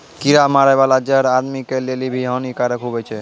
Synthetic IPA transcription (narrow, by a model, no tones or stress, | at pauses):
kiɾamaɾabalad͡ʒaɾaɾmikelelibʱiɦɔnikaɾekʰubet͡ɕʰe